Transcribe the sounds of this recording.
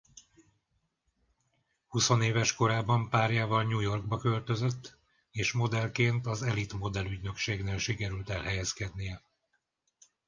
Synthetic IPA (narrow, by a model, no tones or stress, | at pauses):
huso̞neːvɛʃko̞ɾaːbɒmpaːrjaːvɒlɲuːjo̞rɡ̚bɒkø̞lt̪ø̞zøt̪ː | eːʃmo̞d̪ɛlkeːnt̪ɒzɛlit̪mo̞d̪ɛlyɟnø̞kʃeːɡneːlʃikɛɾylt̪ɛlɦɛjɛskɛd̪nijɛ